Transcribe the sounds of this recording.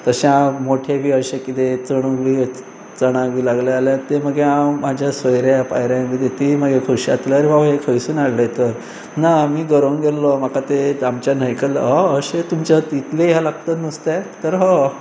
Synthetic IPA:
t̪əɕẽãmoʈʰebʱiːəɕekit̪et͡səɽ̃uɡʋi | t͡səɽ̃aɡʋiːlaɡlaaljat̪eməɡeamad͡ʑʱjasʋəjɾjapajɾãmit̪et̪iməɡekʰuɕiat̪ləaɾĩʋaʋɦekʰəjsuːnaɽlet̪əɾ | namiːɡəɾonɡellɔm̤akat̪eamt͡ɕjanəjkəl̰ɦɔəɕet̪umt͡ɕat̪it̪leɦalaɡt̪ət̪nəst̪et̪əɾɦɔ

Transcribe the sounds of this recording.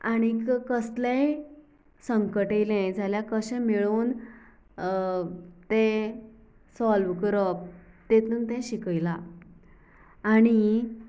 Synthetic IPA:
aɽ̃ikkəslɛ̃ | səŋkəʈejlɛ̃d͡zaljãkəɕɛ̃miɭuːn | t̪ɛ̃ | sɔlʋkəɾɔp̚t̪ẽt̪unt̪ɛ̃ɕikəjla | ɽ̃i

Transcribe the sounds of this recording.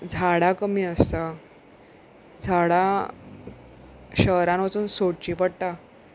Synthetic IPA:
d͡zʱaɽakəmiːəst̪a | d͡zʱaɽa | ɕəɦɾãnʋat͡suːnsoɽt͡ɕiːpəɽʈa

